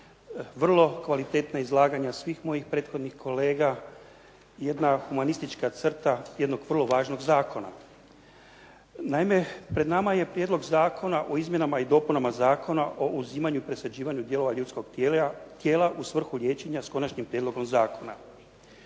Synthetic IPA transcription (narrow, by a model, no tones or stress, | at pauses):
ʋr̩lˠo̞kʋalit̪e̞t̪naizlˠaːɡaɲasʋiːxmo̞jixpɾe̞ːt̪xo̞d̪nixko̞le̞ːɡa | je̞d̪naxumanist̪it͡ʃkat̪sr̩t̪aje̞d̪no̞ɡʋr̩lˠo̞ʋaːʒno̞ɡzaːkʰo̞na̰ | naime̞pɾe̞d̪namaje̞pɾjed̪lo̞ɡzaːkʰonaʔo̞izmjenamaid̪o̞ːpunamazaːkʰo̞naʔo̞ʔuziːmaɲuipɾe̞sad͡ʑiːʋaɲud̪je̞lo̞ʋaʎuːt̪sko̞ɡt̪jet̪jeːlaʔusʋr̩xulʎʲje̞ːt͡ʃe̞ɲasko̞nat͡ʃɲimpɾjed̪lo̞ɡo̞mzaːkʰo̞na̰